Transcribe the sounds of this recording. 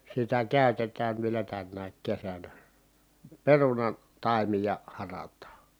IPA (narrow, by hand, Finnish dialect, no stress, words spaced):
sitæ kæˑytetæːn ʋielæ tænːæːk kesænæ perunɑn tɑimijɑ hɑrɑtˑɑː